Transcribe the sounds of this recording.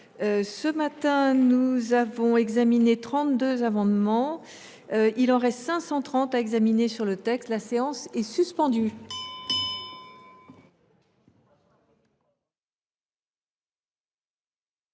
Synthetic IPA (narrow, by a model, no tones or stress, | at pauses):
øsəmat̪ɛ̃nuzavɔ̃ɛɡzaminet̪χɑ̃t̪̚d̪øzamɑ̃d̪mɑ̃ | øilɑ̃ʁɛst̪sɛ̃sɑ̃t̪χɑ̃t̪aɛɡzaminesyʁlət̪ɛkst̪laseɑ̃sɛsyspɑ̃d̪y